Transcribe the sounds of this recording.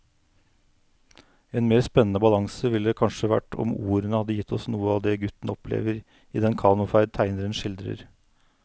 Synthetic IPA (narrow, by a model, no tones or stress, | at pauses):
eːnmeːɾspɛnːən̩əbɑlɑŋsəʋɪld̪ɛːkʰɑnʂəʋæ̰ʈɔ̰muːɾənəhɑd̪ːəjɪt̪ʰːɔsnuːəɑːʋd̪eːɡʉt̪n̩ɔplḛːʋəɾ | iːd̪ɛnkʰɑːnʊfæɪd̪̚t̪ʰæɪnəɾənʃɪld̪ɾə̰ɾ